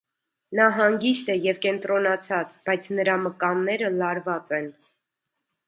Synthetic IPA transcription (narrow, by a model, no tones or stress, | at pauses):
nɑɦɑŋɡist̪ɛjɛvkɛnt̪ɾɔnɑt͡sʰɑt͡sb̥ɑjt͡sʰnəɾɑməkɑnːɛɾəlɑɾvɑt͡sɛn